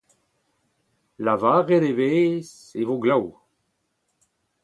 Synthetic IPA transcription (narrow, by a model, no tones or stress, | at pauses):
lavaːʁedeveːs | evoɡlaw